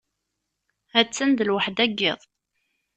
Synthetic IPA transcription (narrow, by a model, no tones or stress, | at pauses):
æt͡sːənd̪əlwaħd̪æɡːɪ̰ðˤ